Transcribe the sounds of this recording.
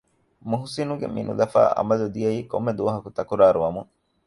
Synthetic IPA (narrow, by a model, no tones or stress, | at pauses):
muɦusinuɡḛmḭnṵlɐfa̰ːʔɐ̰mɐlud̪ijɐiːkomːed̪uʋɐɦɐkut̪ɐkuɾaːɾuʋɐmu